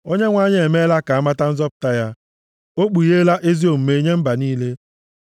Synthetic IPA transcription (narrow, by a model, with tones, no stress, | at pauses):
o˦ɲe˦ŋʷa˦ɲ˦e˨me˦la˦ka˨a˦ma˦ta˦n̩˦zɔ˦pʊ̥˨ta˦ja˦ | o˦k͡pu˨je˦la˦ʔe˦zi˦o˨m̩˨me˨˦ɲe˦m̩˦ba˨niː˦le˦